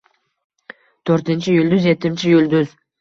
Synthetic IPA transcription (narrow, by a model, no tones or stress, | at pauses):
t̪ʰøɾt̪ɪnʲt͡ʃʰɪjylʲd̪yzjet̪ɪmt͡ʃʰɪjylʲd̪yz